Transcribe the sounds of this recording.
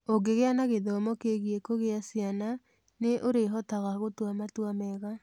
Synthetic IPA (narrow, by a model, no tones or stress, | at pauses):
oɡeɣeanaɣeðɔmɔkeɣiekoɣeasiana | neʔoɾeɦɔtaɣaɣotwamatwamɛɣa